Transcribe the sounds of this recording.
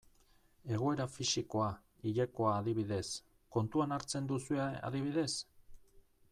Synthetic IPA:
e̞ɣ̞o̞e̞ɾafisiko̞a | iʎeko̞aːðiβiðe̞s | ko̞nt̪uanaɾt͡se̞nd̪usuea̰ðiβ̞iðe̞s

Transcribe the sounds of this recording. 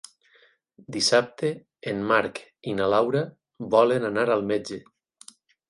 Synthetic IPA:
d̪isap̚t̪eː | nmaɾkinalawɾa | bɔlenanaɾalˠmed͡ʒe

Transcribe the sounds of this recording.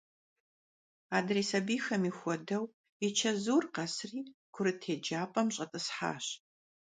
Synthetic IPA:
aːdreːsɐbiːxɐmixʷɔdɐw | it͡ʃʰɐzuːrqɐsriːkʷʰʊɾɨtʰeːd͡ʒaːpʼɐmɕʼɐtʼɨsħa̰ːɕ

